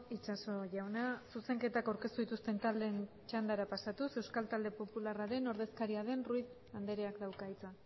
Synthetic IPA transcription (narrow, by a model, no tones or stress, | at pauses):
it͡ʃaso̞ʝawnasuse̞ŋke̞t̪akawɾke̞st̪uðit̪ust̪e̞nt̪ald̪e̞n | t͡ʃand̪aɾapasat̪use̞wskalt̪ald̪e̞po̞pularaɾe̞no̞ɾðe̞skaɾiaðe̞nrujð | and̪e̞ɾeakd̪awkait͡sa